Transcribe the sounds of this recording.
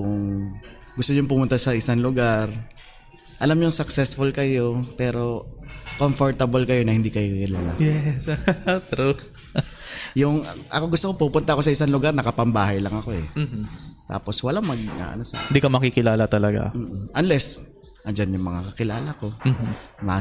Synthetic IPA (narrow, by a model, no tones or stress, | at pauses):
ʊŋ | ɡʊst̪oɲʊŋpʊmʊnt̪asɐʔɪsaŋlʊɡaɾ | ʔɐlamɲʊŋsɐksɛsfʊlkɐjo̞pɛːɾo̞konfoɹt̪ɐbolkɐjo̞nɐhɪnd̪ikɐjokkɪlaːla̰jɛst̪ɾu | jʊŋɐ̰ʔɐkoɡʊst̪okopupʊnt̪ɐko̞sɐɪsaŋlʊɡaɾnɐkɐpɐmbaːhɐjlɐŋɐko̞ɛ | t̪a̰ːpo̞swɐlaŋmɐɡ̚ŋa̰ʔɐ̰nosɐ̰ɪnd̪iːkɐmɐkikɪlaːlɐt̪ɐlɐɡa̰m̩ːʔʔɐnlɛs | ʔɐnd͡ʒanjʊŋmɐŋakɐkɪlaːlɐko̞ | ma